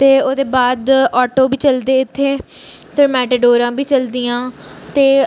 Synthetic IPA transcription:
t̪eːoːd̪eːbaːd̪ɔːʈoːbiːt͡ʃəld̪eːɪt̪ʰːeːt̪eɾmɛːʈeːɖoːɾãːbiːt͡ʃəld̪ijãːt̪eː

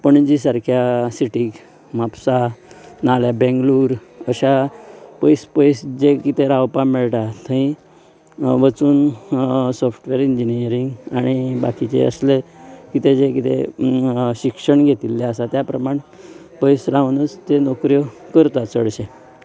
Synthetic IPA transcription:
pəɳd͡ʑisaɾkʰjasiʈik | mapsanaljabɛ̃ŋɡluːɾəɕapəjspəjsd͡ʑekit̪eɾawpameɭʈat̪ʰəĩ | ʋət͡suːn | sɔfʰʈʋeɾiɲd͡ʑiniəɾiŋɡaɽ̃iba̰kit͡ɕḛə̰slekit̪ed͡zekit̪ḛ | ɕikʂəɳɡʱet̪ilːeəsat̪japɾəmaɳ̃ | pəjsɾaʋnət͡st̪enokɾjɔkəɾt̪at͡səɽɕe

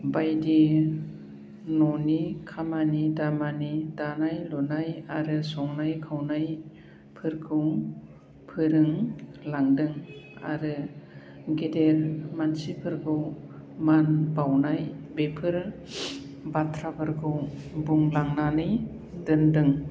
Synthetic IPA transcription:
bajdi | nɔnikʰamanidamanidanajlɔnajaɾɯsɔŋnajkʰawnaj | pʰɯɾkʰɯw | pʰɯɾɯŋlaŋdɯŋa̰ɾɯ | ɡedeɾmansipʰɯɾɡʰɯwmanbawnajbepʰɯɾ | batʰɾabɯɾkʰɯwbuŋlaŋnanɯj | dɯndɯŋ

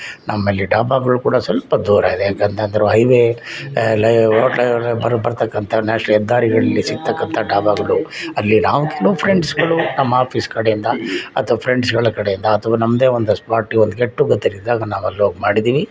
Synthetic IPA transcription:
nʔɐmːɐlːiɖaːbaːɡɐɭukuːɽɐsɐlpɐd̪uːɾa̰id̪ejaːkeːnt̪ʰand̪ɐɾuɦɐjʋe | lɐoːʈlɐbɐɾbɐɾt̪ɐkːɐnt̪ʰɐnaːʂɐɛd̪ːaːɾiɡɐɭɐlːisiɡ̚t̪ɐkːɐnt̪ʰɐɖaːbaːɡɐɭuɐlːinaːʋukʰeloːpʰɾeɳɖsɡɐɭunɐmːɐaːpʰiskɐɽejind̪ɐɐ̰t̪ʰɐʋɐpʰɾeɳɖsɡɐɭɐkɐɽejind̪ɐɐt̪ʰɐʋɐnɐmːɐd̪e̞ːond̪uspaːɾʈiond̪uɡeʈːuɡɐt̪ːiɾid̪ːaːɡɐnaːʋɐlːoːɡemaːɽid̪iːʋi

